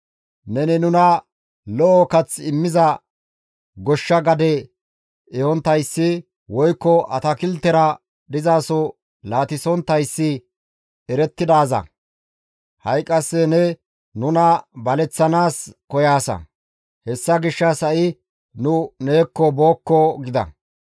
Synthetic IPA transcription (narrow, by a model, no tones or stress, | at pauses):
nɛnɪnʊnɐ | lɔʔɔkɐt͡sɪmːɪzɐ | ɡɔʃːɐɡɐd̪ɛ | ɛɔnt̪ːɐjsːɪ | wɔjkːɔʔɐt̪ɐkɪlt̪ːɛɾɐ | d̪ɪzaːsɔ | laːt̪ɪsɔnt̪ɐjsːɪ | ɛɾɛt̪ːɪd̪aːzɐ̰ | hɐjkʼːɐsːɛnɛ | nʊnɐbɐlɛt͡sːɐnaːskɔjaːsɐ̰ | hɛsːɐɡɪʃːɐsɐʔɪ | nʊne̞ːkːɔboːkːɔɡɪd̪ɐ̰